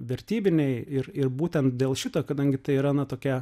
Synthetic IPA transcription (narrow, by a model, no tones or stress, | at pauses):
ʋʲɛɾʲt̪ʲiːbʲɪnʲɛɪɪɾɪrbuːt̪ʲɛnt̪̚d̪ʲeːlˠʃʲɪt̪oːkɐd̪ɐŋʲɡʲɪt̪ɐɪiɾɐnɐt̪oːkʲɛ